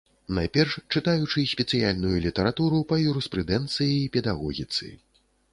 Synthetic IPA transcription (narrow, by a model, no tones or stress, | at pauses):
najpʲɛrʂt͡ʂɨt̪ajut͡ʂɨsʲpʲɛt̪sɨjalʲnujulʲit̪ɐɾat̪uɾupɐjuɾɛspɾɨd̪ɛnt̪sɨjiːpʲɛd̪aɣɔɣʲit̪sɨ̰